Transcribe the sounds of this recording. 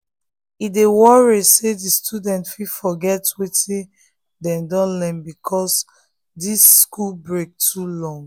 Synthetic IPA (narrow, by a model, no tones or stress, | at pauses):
idewɔɹisedistʰudɛ̃ntfifɔɡɛtwetʰĩ | dɛ̃mdɔ̃nlɛ̃mbikʰɔs | disːkulbɹek̚tʰulɔ̃ŋɡ